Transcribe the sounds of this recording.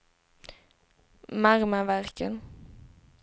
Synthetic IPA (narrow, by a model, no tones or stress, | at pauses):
maɾməvæɾkən